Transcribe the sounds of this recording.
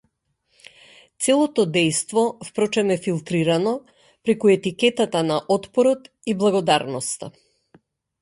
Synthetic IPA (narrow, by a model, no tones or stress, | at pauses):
t̪sɛlˠɔt̪ɔd̪ɛjst̪vɔfpɾɔt͡ʃɛmɛfilˠt̪ɾiɾanɔ | pɾɛkuɛt̪ikɛt̪at̪anaʔɔt̪pɔɾɔt̪ | iblˠaɡɔd̪aɾnɔst̪a̰